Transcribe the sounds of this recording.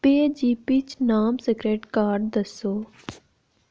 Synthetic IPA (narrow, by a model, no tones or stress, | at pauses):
peːd͡ʒiːpit͡ʃnaːmsekɾeːʈkaːɾɖd̪ɐsoː